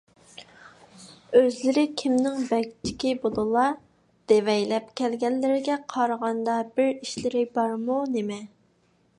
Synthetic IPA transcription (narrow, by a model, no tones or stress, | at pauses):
øzlɪɾɪkʲʰimnɪŋbɛkʲt͡ʃʰɪ̥kʲɪbolˠulˠɑ | d̪̥evɛjlɛp̚kʲʰɛlɡʲɛnlːɪɾɪɡʲɛqʰɑɾʁɑnd̪ɑbɪɾiʃlɪɾɪbɑɾmunɪmɛ